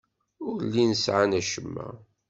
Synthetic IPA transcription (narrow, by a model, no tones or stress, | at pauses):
ʊɾlinəsʕanæʃəmːæ̰